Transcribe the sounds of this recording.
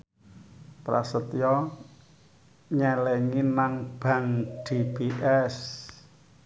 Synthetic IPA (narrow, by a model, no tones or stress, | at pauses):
pɾa̰sət̪jɔ | ɲɛlɛŋinaŋb̥a̤ŋɖ̥ebiʔɛs